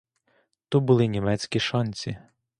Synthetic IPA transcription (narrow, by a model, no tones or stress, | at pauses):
t̪ubʊlˠɪnʲimɛt͡sʲkʲiʃɔnʲt͡sʲi